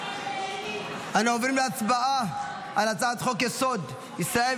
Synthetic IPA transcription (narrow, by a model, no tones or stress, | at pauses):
anaovɾimleat͡sbaʔa | alat͡saat̪χokesod̪ | isae